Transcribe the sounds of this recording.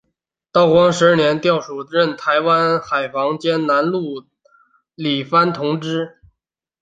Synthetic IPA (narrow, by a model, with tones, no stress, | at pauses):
t̪ɑ˥˩ʊkwɑ˥ŋʂɻ̩˧˥ə˥˩njɛ˧˥nt̪jɑ˥˩ʊʂu˨˩ɻə˥˩nt̪ʰa˧˥ɪwa˥nxa˨˩ɪfɑ˧˥ŋt͡ɕjɛ˥nna˧˥nlu˥˩ | li˨˩fa˥nt̪ʰʊ˧˥ŋʈ͡ʂɻ̩˥